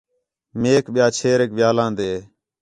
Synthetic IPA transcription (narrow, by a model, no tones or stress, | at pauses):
meːkɓɪjaːt͡ʃʰeːɾeːk̚ʋɪjaːlãːnd̪eː